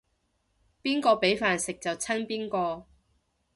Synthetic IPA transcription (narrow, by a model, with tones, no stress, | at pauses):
piː˥nkɔː˧pe˨˥jfaː˨nsɪ˨k̚t͡sɐ˨˩wt͡sʰɐ˥npiː˥nkɔː˧